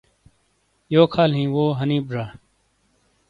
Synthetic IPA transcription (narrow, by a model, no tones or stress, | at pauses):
joːkʰaːlɦĩːʋoːɦənĩːbɾaː